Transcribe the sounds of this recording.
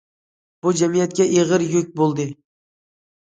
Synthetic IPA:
b̥ʊd͡ʒamijat̪̚kʲaʔeʁɨɾjɵk̚ʲbolˠd̪ɪ

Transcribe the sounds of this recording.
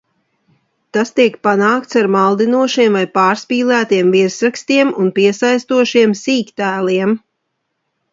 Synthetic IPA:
t̪ast̪iɛkpanaːk̚t̪saɾmalˠd̪inuɔʃiɛmvajpaːɾspiːlˠæːt̪iɛmvisɾakst̪iɛmunpiɛsajst̪uɔʃiɛmsiːkt̪æːliɛm

